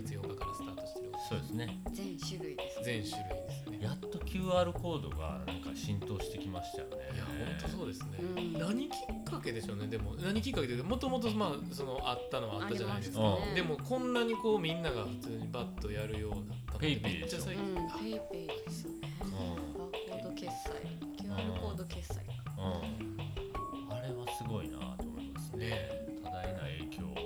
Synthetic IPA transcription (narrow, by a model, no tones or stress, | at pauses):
it͡sɨjõŋkakaɾasɨ̥t̪aːt̪o̞ɕi̥t̪eɾɯkosoːd̪esɨnezẽɕɾieszẽ̞ɰ̃ɕɨɾɯ̟id̪e̞sɨnejat̪ːo̞kʲʰɨːaːɾɯ̟ko̞ːd̪o̞̰ɡa̰nã̰ŋkaɕĩnt̪o̞ːɕi̥t̪e̞kʲimaɕi̥t̪ajonejahõ̞nt̪o̞so̞ːd̪e̞sɨnenaɲ̟ikʲʰi̥kːake̞d̪e̞ɕo̞ːne̞d̪e̞mo̞naɲ̟ikʲikːaket̪emo̞t̪o̞mo̞t̪o̞maː | so̞no̞ʔat̪ːano̞βaːtt̪ːaʑanaid̪e̞sedod̪e̞mo̞kõ̞nːaɲ̟iko̞ːmʲĩnːaɡaɸɯ̟t͡sɨːɲ̟ibat̪ːo̞jaɾɯ̟jo̞ːd̪at̪ːaneet͡ɕːasaikieped̪esɨonẽ | kod̪okesa̰ikakod̪okesa̰ikː | aɾe̞βasɨɡo̞ina̰t̪ːomo̰ | esnet̪ʰad̪aenaiḛːkʲʰo̰ː